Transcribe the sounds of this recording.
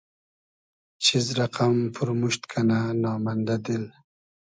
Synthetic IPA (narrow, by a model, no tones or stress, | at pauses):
t͡ʃʰizɾaqampʰʊɾmuʃt̪kʰananɑmand̪ad̪ɪl